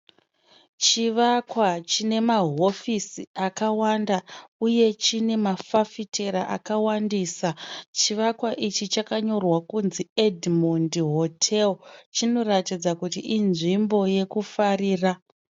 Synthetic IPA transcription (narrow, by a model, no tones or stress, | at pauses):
t͡ʃiʋakwat͡ʃine̞maɦo̞fisiakawandauje̞t͡ʃine̞mafafitʰe̞ɾaʔa̰kawandiːsat͡ʃiʋakwaʔit͡ʃit͡ʃakaɲo̞rwakunziedmondiɦo̞tʰelt͡ʃino̞ratid͡zakutiʔinʐimbo̞je̞kufariːra